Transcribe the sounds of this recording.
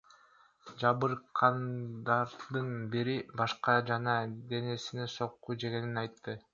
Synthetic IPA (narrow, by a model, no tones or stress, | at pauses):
d͡ʒɑβɯɾqʰɑnd̪ɑɾd̪ɯnbiɾibɑʃqɑd͡ʒɑnɑd̪e̞ne̞sineso̞qːud͡ʒeɡe̞ninɑjt̪ːɯ